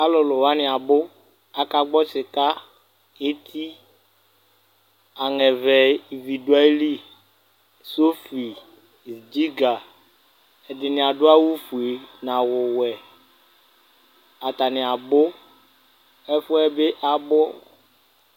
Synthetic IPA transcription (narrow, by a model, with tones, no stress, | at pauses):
a˦lʊ˨lʊ˨wa˦nɪ˨a˨bʊ˦ | a˨ka˦ɡ͡bɔ˦t͡ʃɪ˨ka˦ | e˦t̪ʰi˦ | a˨ŋɛ˨vɛ˨i˨vi˨du˨a˦li˦ | so˦fi˨ | zd͡ʒi˦ɡa˨ | ɛ˨dɪ˨nɪ̃˨a˨dʊ˦a˦wu˦fu˨e˨nã˨wʊ˨wɛ˨ | a˨t̪a˨nɪ̃˨a˨bʊ˦ | ɛ˦fʊ˦ɛ˦be˦ʔa˦bʊ˦